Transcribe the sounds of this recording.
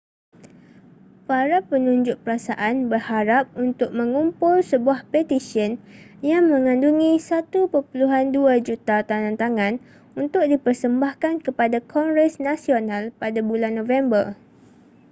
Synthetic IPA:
paɾapənũɲd͡ʒʊʔ̚pəɾasaʔanbərhaɾap̚unt̪ʊk̚mə̃ŋumpʊlsəbuahpɛt̪isiən | jaŋmə̃ŋãnduŋĩsat̪upərpuluɦanduad͡ʒut̪at̪aŋãnt̪aŋãn | unt̪ʊk̚dipərsəmbahkankəpadakʰɔŋɡɾɛsnasionãlpadabulanːõvɛmbər

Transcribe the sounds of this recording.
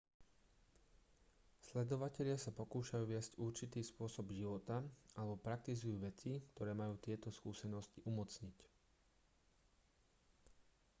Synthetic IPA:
slɛd̪ɔʋacɛʎɪasapɔkuːʃajuːʋɪɛzcuɾt͡ʃit̪iːspʊɔsɔbʒiʋɔt̪aalɛbɔpɾak̚t̪izujuːʋɛt͡sikt̪ɔɾɛːmajuːt̪ɪɛt̪ɔskuːsɛnɔsciʔumɔt͡sɲic

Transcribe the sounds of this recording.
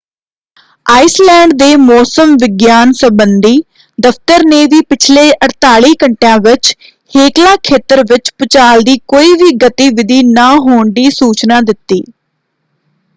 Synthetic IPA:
aːislɛ̃ːɳɖd̪eːmɔːsəmʋɪɡjaːnsəmbənd̪iː | d̪əfʰt̪əɾneːʋiːpɪt͡ʃʰleːʔəɽt̪aːɭiːkəɳʈeãːʋɪt͡ʃ | heːklãːkʰeːt̪əɾʋɪt͡ʃpʊt͡ʃaːld̪iːkoːiːʋiːɡət̪iːʋɪd̪iːnaːɦoːɳɖ̪iːsuːt͡ʃnãːd̪ɪt̪ːiː

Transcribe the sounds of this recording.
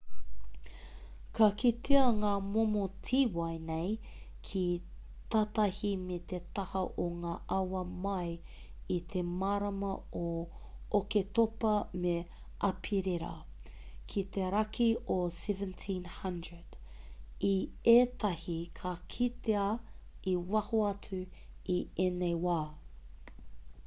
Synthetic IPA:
kʰɐkʰit̪ʰeɐŋaːmomotʰiːwɐjnej | kʰi | t̪at̪ɐhimet̪et̪ɐhɐʔoŋaːʔɐwɐmɐj | it̪ʰemaɾɐmɐo | oket̪opɐme | ʔɐpʰiɾeɾɐ̰ | kʰit̪eɾɐkiosɛvə̃ntʰĩnhɐndɹəd̥ | ieːt̪ʰɐhikʰakʰit̪eɐ | iwɐhoɐt͡su | ienejwaː

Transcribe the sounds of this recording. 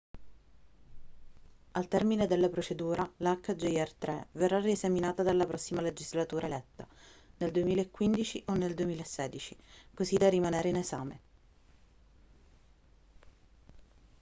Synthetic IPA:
alt̪ɛrmined̪elːapɾot͡ʃed̪uːɾalakːd͡ʒejɛrt̪ɾɛverːariezaminaːt̪ad̪alːapɾɔsːimaled͡ʒizlat̪uːɾaelɛt̪ːa̰neld̪uemiːlaekːwind̪it͡ʃiʔonːeld̪uemiːlaesːɛːd̪it͡ʃikozid̪arːimaneːɾeinezaːmḛ

